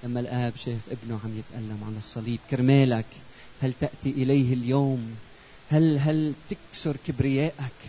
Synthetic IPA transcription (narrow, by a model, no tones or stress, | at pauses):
lamːalʔaːbʃeːfʔɪbnuʕamjɪt̪ʔalːamʕalɑsˤːɑliːb̚kɪɾmeːlak | halt̪aʔt̪iʔɪlajhɪljoːm | halɦalt̪ɪksʊɾkɪbɾɪjeːʔak